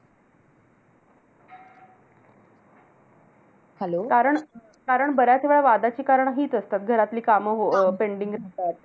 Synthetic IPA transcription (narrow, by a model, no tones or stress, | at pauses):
hɛlokaɾəɳ | kaɾəɳbəɾjat̪ʰeʋeɭaʋad̪at͡ɕiːkaɾəɳɦiːt̪əst̪at̪ɡʱəɾat̪liːkaməɦopeɳɖiŋɡɾat̪at̪̚